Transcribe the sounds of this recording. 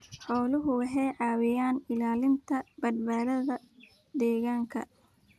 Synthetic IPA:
ħɔːlʊɦʊwɑħɛjʕɑːwɪjaːnɪlaːlɪnt̪ʰɐbɐdbaːðɐðɐ | d̪ɛːɣaːŋkʰɐ̰

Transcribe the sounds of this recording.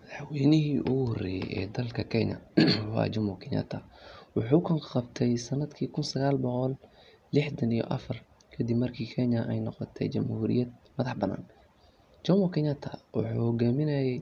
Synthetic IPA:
mɐðɑħwijnɪɦiːʔʊhɔrɛjɛ̰jʔɛ̰ːd̪ɐlkʰɐkʰɛɲɐ̰wɑ̰t͡ʃɐmɔkʰɪnɐ̰t̪ʰɐwɑħuːkʰɐŋqɑbt̪ʰɛjsɐnɐd̪kʰiːkʰʊnsɐɣaːlbɔqɔlː | ɪħd̪ɐnijɔ̰ʔɐfɐr | kʰɐd̪ibmɐrkʰiːkʰɛɲɐʔɛjnɔqɔt̪ʰɛ̰jt͡ʃɐmhuːɾɪ̰jɐd̪̚mɐðɑħbɐnːa̰ːn | d͡ʒɐmɔkʰɪnat̪ʰɐwʊ̰ħuːhɔɡaːmɪnɐjɛj

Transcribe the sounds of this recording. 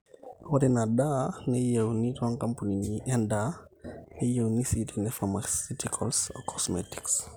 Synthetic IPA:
wɔtinadanɛjɛwnitɔnkampuniɲiʔɛndaːnɛjewnisitinɛfamasitikʰɔlsɔ̰kʰɔsmɛti̥ks

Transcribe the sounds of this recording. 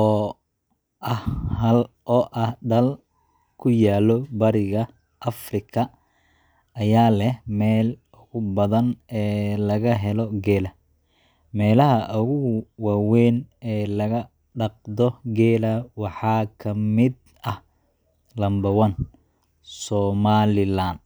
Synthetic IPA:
ɔː | ʔɐhhɐlʔɔːʔɐhɖɐl | kʰʊjaːlɔbɐɾɪɣɐ | ʔɐfrɪkʰɐ | jaːlɛhmɛːl | ʊɣʊbɐðɐnɛːlɐɣɐɦɛlɔɡɛːlɐ | mɛːlɐɦɐʔʊɣʊɣwɑːwɛːnɛːlɐɣɐ | ɖɑq̚d̪ɔɡɛːlɐwɑħɑːkʰɐmɪd̪ | ɐh | lɐmbɐwɐn | sɔːmaːlɪlan

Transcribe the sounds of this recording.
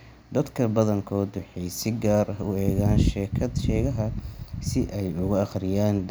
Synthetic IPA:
d̪ɐd̪kʰɐbɐðɐŋkʰɔːd̪wɑħɛjsɪɡaːrɐʊɛːɣaːnʃɛːkʰɐd̪ʃɛːɣɐɦɐsɪʔɛjʊɣʊɐχrɪjaːn

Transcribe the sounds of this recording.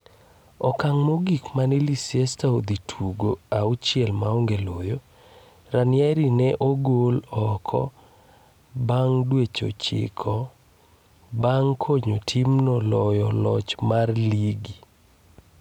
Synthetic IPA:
ɔkaŋmoɡikmanilisjɛstaod̪itʰuɡoaut͡ʃjɛlmaoŋɡelojo | ranjɛɾinɛʔoɡolɔkʰɔ̰ | baŋdwet͡ʃo̰t͡ʃɪ̰kʰɔ | baŋkʰoɲotʰimnɔlɔjɔlɔt͡ʃmarliɡi

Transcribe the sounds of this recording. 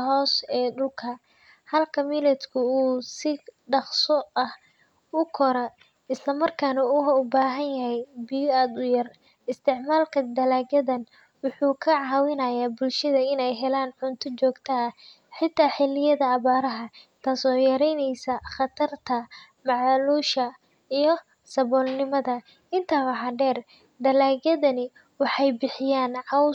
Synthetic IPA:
ɦɔːsɛːɖʊlkʰɐ | hɐlkʰɐmilɛt̪kʰʊuːsɪ | ɖɑχsɔɐh | ʊkʰɔɾɐ | ɪslɐmɐrkʰaːnɐʊhɐʊbaːɦɐnjɐɦɛjbɪjaːd̪ʊjɐr | ɪst̪ʰɪʕmaːlkʰɐd̪ɐlaːɡɐðɐn | wʊħuːkʰɐʕɑːwɪnɐjaːbʊlʃɐðɐɪnɛjɦɛlaːnħʊnt̪ʰɔt͡ʃɔːɡt̪ʰɐɐ | ħɪt̪ʰːaːħɪlɪjɐðɐːβaːɾɐɦɐt̪ʰaːsɔːjɐɾɛjnɛjsɐχɑt̪ʰɐrt̪ʰɐ | mɑʕluːʃɐ | ijɞ | sɐβɔːlnɪmɐðɐ | ɪnt̪ʰɐwɐɦɑɖɛːr | d̪ɐlaːɡɐðɐnɪ | wɑħɑjbɪħɪjaːnʕɑw

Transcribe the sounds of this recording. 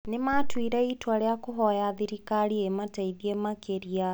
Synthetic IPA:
nematwiɾɛitwaɾejakoɦɔjaðiɾikaɾiemataiðiemakʰeɾia

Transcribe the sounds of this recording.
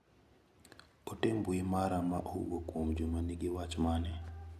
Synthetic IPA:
otembuimaɾama̰ʔow̰okwomd͡ʒumaniɡɪwat͡ʃmanɛ

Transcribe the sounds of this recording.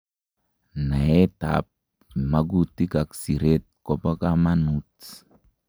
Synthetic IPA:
naet̪a̰p̚ | maɡut̪ikaksiɾet̪̚kɔpakamanut

